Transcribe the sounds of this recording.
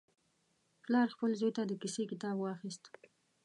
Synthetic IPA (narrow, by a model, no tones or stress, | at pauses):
plɑɾxpəlzojt̪ad̪əkisekɪt̪ɑbwɑxist̪